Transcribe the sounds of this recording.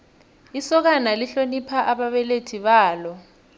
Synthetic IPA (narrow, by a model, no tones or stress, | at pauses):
isɔk̬analiɬonipʰaʔaɓaɓɛletʰiɓaːlɔ